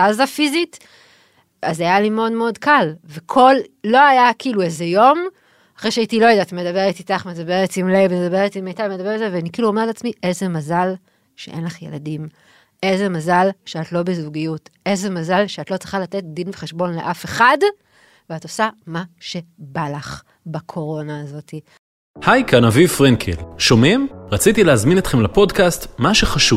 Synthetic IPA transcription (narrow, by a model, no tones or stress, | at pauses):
tazafizit | a̰zajalimeo̞dmeo̞dkalvekʰo̞lːo̞ajakiːluezejo̞m | aχʁeʃeaitilo̞jedatme̞dabe̞ʁetitaχmedabe̞ʁetimlevemedabe̞ʁetimejtavemedabe̞ezeveanikiːluomeʁetat͡smiʔezemazal | ʃḛʔe̞nlaχje̞̰la̰dim | ʔezemazalʃeatlo̞bezuɡijute̞zemazalʃeat̪lo̞t͡sʁi̥χalat̪e̞t̚d̪inveχe̞ʃbo̞nle̞̰ʔafeχad | veato̞samaʃe̞balaχ | bakʰo̞ʁo̞naːzo̞ti | hajkanavifʁenkʰelʃo̞mimʁat͡sit̪ileazminet̪χemlapo̞dkastmaʃeχaʃuv